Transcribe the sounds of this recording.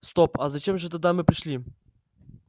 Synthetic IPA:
st̪opazɐt͡ɕemʐɨt̪ad̪amɨpɾʲɪʂlʲi

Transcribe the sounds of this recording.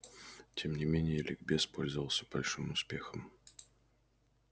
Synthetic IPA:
tʲɛmnʲɪmʲenʲɪjəlʲʔɪɡbʲɛspɔlʲzəvəlˠsʲəbɐlʲʂɨmʊspʲexəm

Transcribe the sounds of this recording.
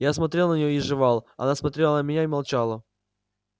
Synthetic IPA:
jasmɐt̪ɾʲelˠnənʲɪjoiʐɨvalˠɐ̰nasmɐt̪ɾʲelˠənəmʲɪnʲaɪmɐlˠt͡ɕalˠə

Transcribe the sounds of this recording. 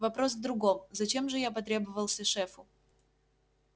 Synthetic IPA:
vɐpɾo̞s̬vd̪ɾʊɡomzɐt͡ɕe̞mʐɨjapɐt̪ɾʲe̞bəvəlˠsʲəʂɛfʊ

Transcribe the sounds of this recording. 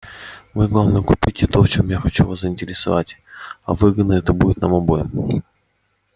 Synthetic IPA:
mɨɡlˠavnəjkʊpʲitʲɪt̪oft͡ɕomjaxɐt͡ɕuvaszəɪnʲtʲɪɾʲɪsɐ̰va̰tʲɐ̰vɨɡəd̪nəɛt̪əbudʲɪt̪namɐbojɪm

